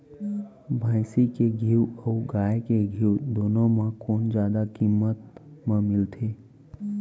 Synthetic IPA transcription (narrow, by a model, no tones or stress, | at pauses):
bʱãːɪsikeɡʱiwɔːɡaːjkeɡʱiwd̪oːnõmẽkoːnd͡ʒjaːd̪akimːət̪mẽmɪlt̪ʰeː